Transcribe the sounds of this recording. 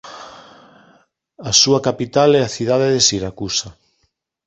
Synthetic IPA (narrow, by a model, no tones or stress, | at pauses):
asuakapit̪alɛaθiðaðeðesiɾakusa